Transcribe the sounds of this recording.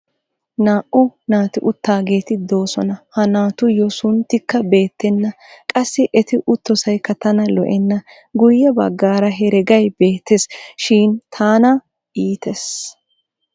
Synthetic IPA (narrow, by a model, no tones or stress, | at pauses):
naːʔʊnaːt̪ɪʔʊt̪ːaːɡe̞ːt̪ɪd̪o̞ːsɔnɐhɐnaːt̪ʊjɔsʊnt̪ːɪkːɐbe̞ːt̪ːɛnːɐ | kʼɐsːɪʔɛt̪ɪʔʊt̪ːɔsɐjkːɐt̪ɐnɐlɔ̰ʔɛnːɐ | ɡʊjːɐbɐ̰ɡːaːɾɐɦɛɾɛɡɐjb̥eːt̪ːɛsʃiːnt̪ʰaːnɐ | ʔiːt̪ɛs